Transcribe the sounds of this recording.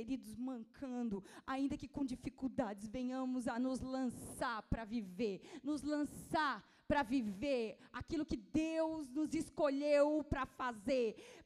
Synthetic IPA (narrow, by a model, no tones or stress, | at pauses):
eɾid̪ʊzmɐ̃ŋkʰɐ̃nd̪ʊaĩnd̪ɐkɪkõd͡ʒifikuwd̪ad͡ʒɪzvẽɲɐ̃mʊzɐnʊzlɐ̃saɾpɾɐviveɾnʊzlɐ̃saɾ | pɾɐviveɾakilʊkɪd̪ewznʊzɪskoʎewpɾɐfazeɾ